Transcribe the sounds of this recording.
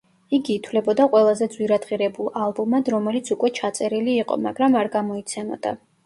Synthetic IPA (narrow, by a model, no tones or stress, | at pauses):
iɡiːt̪ʰwlɛbɔd̪aqʼwɛlˠazɛd̪zwiɾad̪ʁiɾɛbulˠalˠbumad̪ɾɔmɛlit̪sʰukʼwɛt͡ʃʰat̪sʼɛɾiliːqʼɔ̰ma̰ɡɾamaɾɡamɔit̪sʰɛmɔ̰d̪̥a̰